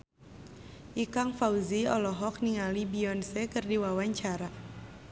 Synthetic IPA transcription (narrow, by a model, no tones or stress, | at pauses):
ʔikaŋfauziɔlɔɦɔk̚niŋalibiɔnsɛkɨrdiwawaɲt͡ʃaɾa